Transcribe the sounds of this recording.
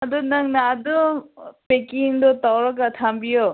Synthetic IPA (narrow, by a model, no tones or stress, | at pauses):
ɐdɔnaŋnaːdɔpekiŋdɔtawɾakatʰambijɔ